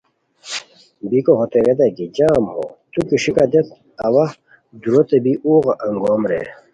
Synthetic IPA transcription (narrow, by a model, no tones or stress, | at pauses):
bikoɦot̪eɾed̪aɡid͡ʑaːmho̰t̪ukiʂikad̪et̪̚ | ɐwa | d̪uɾot̪ebiʔuːɣaʔɐŋɡoːmɾḛ